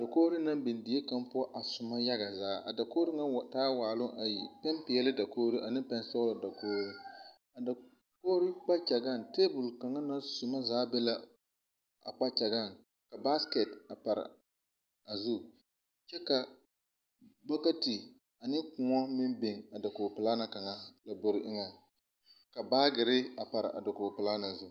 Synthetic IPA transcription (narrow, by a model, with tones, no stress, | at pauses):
a˨da˨koː˦ɾɪ˦na˦mbɪ˨ndɪ˨˦ɛ˦ka˦mpʊ˦ɔ˦ʔa˨sʊ˨ma˦ja˦ɡa˨zaː˨˦ʔa̰˨da˨ko˦ɾɪ˦ŋa˦˨taː˦waː˨lʊ˦ŋʔa˨ji˨pɛ˦mpɪ˨ɛ˦lɪ˦da˨koː˦ɾi˦ʔa˨nɪ˦pɛ˦n˦sɔ˦la˨da˨koː˦ɾi˦ | a˨da˨ | koː˦ɾɪ˦k͡pa˦t͡ʃa˨ɡa˦˨nteː˦bʊ˨lka˨ŋa˦na˦nsʊ˨ma˦zaː˨˦bɛ˦la˦ | a̰˨k͡pa˦t͡ʃa˨ɡa˦˨n | ka˨ba˦ske˨ta˨pa˨ɾɪ̰˨ | a˨zu˦ | t͡ʃɛ˦ka˨ | ba˦ka˦ti˨ | a˨nɪ˦kʊ˨ŋɔ˦mɪ˦mbɪ˨ŋa˨da˨ko˨pɪ˨laː˦na˨ka˨ŋa˦la˨bo˨ɾɪ˦ʔɪ˦ŋa˨ | ka˨baː˦ɡɪ˨ɾɪ˦a˨pa˨ɾɪ̰˨ʔa̰˨da˨ko˨pɪ˨la˦na˨zu˦